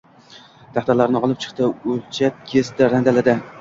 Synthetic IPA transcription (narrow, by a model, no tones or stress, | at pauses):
d̪̥ʰaχt̪aɾlaɾnɪɒlˠɪp̚t͡ʃʰɨ̥χt̪ɪolt͡ʃʰap̚kʲʰesd̪aɾand̪alad̪ɪ